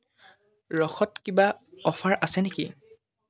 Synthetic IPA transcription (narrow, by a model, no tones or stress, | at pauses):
ɹɔxɔtkibaɔfʰaɹʔasɛnekḭ